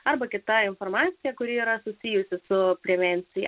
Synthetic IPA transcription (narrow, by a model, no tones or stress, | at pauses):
ɐɾbɐkʲɪt̪ɐɪnfoɾmɑːt̪sʲɪjɛkʊɾʲɪiːɾɐsʊsʲiːjʊsʲɪsʊpʲɾʲɛʋʲɛnʲt̪sʲɪjɛ̰